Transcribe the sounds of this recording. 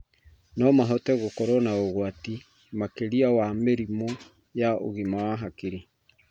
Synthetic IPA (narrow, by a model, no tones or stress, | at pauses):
nɔmaɦɔtɛɣokɔɾɔnaoɣwati | makeɾiawameɾimɔ | jaʔo̰ɣimawaɦakiɾi